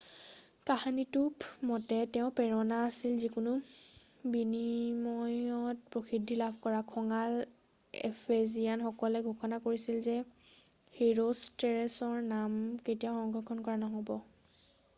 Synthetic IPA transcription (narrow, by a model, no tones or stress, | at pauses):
kahanitupmɔtɛtɛʊ̃pɛɹɔnaːsilzikʊnʊ | binimɔjɔt̚pɹoxʰidʱːilabʱkɔɹakʰɔŋal | ḛpʰezianxɔkɔlɛɡʱuxʰɔnakoɹisilzɛ | xeɹostɛɹɛsɔɹnamketijaxɔŋɡɹɔkʰɔnkɔɹanɔɦobɔ